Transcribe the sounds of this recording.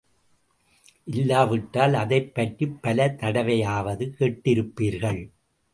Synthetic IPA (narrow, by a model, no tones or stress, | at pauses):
ʔɪlːaːʋɪʈːaːlɐðɐɪpːɐʈripːɐlɐt̪ɐɽɐʋɐjaːʋɐðɯkeːʈːɪɾɯpːiːɾɣɐɭ